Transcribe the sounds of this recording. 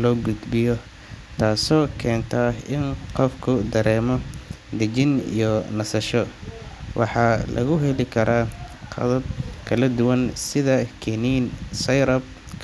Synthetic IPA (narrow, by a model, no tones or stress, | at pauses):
lɔːɡʊd̪bɪjɔ | t̪ʰaːsɔːkʰɛːnt̪ʰɐɪnqɔfkʰʊd̪ɐɾɛːmɔ | d̪ɐt͡ʃɪnḭjɔnɐsɐʃɔ | wʔɑ̰ħɑlʔɐ̰ɣʊɦɛlɪkʰɐɾaːqʰɑ̰ðɐb̚kʰɐlɐd̪ʊwɐnsɪðɐkʰɛniːnsɐjɾɐb̚ | kʰ